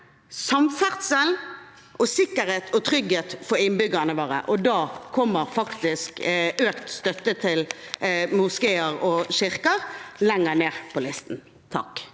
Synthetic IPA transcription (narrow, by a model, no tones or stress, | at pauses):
sɑmfæʁt̪səl | ʔɔsɪkːəɾheːt̪ʰɔt̪ʰɾʏɡheːt̪fɔɾɪnbʏɡənəʋɑːɾə̰ʔɔd̪ɑːkʰɔmːəʁfɑkt̪ɪskøːkt̪st̪œt̪ːət̪ʰɪlmʊskeːəʁɔʃɪʁkəʁlɛŋːəneːʁpʰɔlɪst̪n̩ | t̪ʰɑ̰k